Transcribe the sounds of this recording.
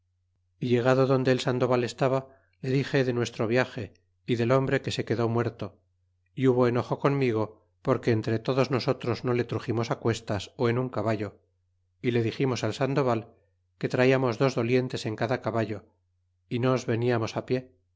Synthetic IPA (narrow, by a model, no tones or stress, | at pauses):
iʎe̞ɣ̞aðoðond̪e̞ːlsand̪o̞βale̞st̪aβa | le̞ðixe̞ðe̞nwe̞st̪ɾo̞β̞jaxe̞ | iðe̞lo̞mbɾe̞kese̞ke̞ðo̞mwe̞ɾt̪o̞ | iuβo̞eno̞xo̞ko̞mmiɣ̞o̞ | po̞ɾke̞ːnt̪ɾet̪o̞ðo̞zno̞so̞t̪ɾo̞zno̞le̞t̪ɾuximo̞sakwe̞st̪aso̞e̞nuŋkaβaʎo̞ | ile̞ðiximo̞salsand̪o̞βal | ke̞t̪ɾaiamo̞zðo̞zðo̞lje̞nt̪e̞se̞ŋkaðakaβaʎo̞ | inozβe̞niamo̞sapje̞